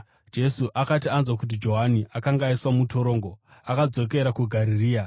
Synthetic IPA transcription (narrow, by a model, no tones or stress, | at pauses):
d͡ʒe̞suʔakatianzwakut̬id͡ʒo̞ɦaniʔakaŋɡaiswamuto̞ɾo̞ːŋɡoakad͡zo̞k̬e̞ɾakuɡʱaɾiriːa